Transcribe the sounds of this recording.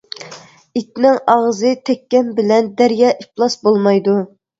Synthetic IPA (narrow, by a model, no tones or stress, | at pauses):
it̪nɪŋɑʁzɨt̪ʰɛkʲːɛmbɪlɛnd̪æɾjɑːʔiplˠɑsbolˠmɑjd̪u